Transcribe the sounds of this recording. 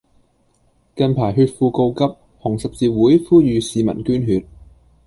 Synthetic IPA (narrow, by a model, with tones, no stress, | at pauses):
kɐ˨˧npʰaː˨˩jɦyː˧t̚fuː˧ko˧wkɐ˥p̚ | hʊ˨˩ŋsɐ˨p̚t͡siː˧wuː˨˥jfuː˥jyː˧siː˨˧mɐ̰˨˩nkyː˥nɦyː˧t̚